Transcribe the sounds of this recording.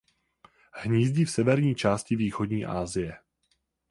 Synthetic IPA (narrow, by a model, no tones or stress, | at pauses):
hɲiːzɟiːfsɛvɛɾɲiːt͡ʃaːscɪviːxodɲiːʔaːzɪjɛ